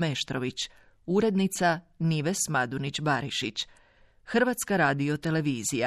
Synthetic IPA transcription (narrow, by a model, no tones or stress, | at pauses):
meʃt̪ɾoʋit͡ɕ | uɾe̞d̪nit̪saniʋesmad̪unit͡ɕbaɾiʃit͡ɕ | xr̩ɾʋat̪skaɾaːd̪io̞t̪e̞le̞ʋiːzija̰